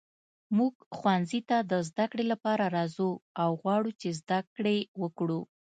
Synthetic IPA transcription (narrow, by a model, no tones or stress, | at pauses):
muɡxwanzit̪ad̪əzd̪akɽelapɑɾaɾɑzuawɣwɑɽut͡ʃezd̪akɽewəkɽu